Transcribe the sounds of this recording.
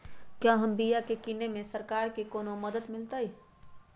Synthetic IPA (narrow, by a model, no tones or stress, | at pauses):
kjaɦəmbijakekinemẽsəɾkaːɾkekoːnoməd̪əd̪mɪlt̪əi